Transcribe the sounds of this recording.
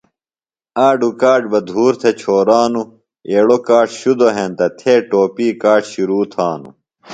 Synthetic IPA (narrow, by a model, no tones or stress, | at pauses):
aːɖukaːʈbɐd̪ʱuːɾt̪ʰet͡ɕʰoːɾaːnu | eːɽokaːʈɕud̪oɦent̪ɐt̪ʰeːʈoːpiːkaːʈɕiɾuːt̪ʰaːnṵ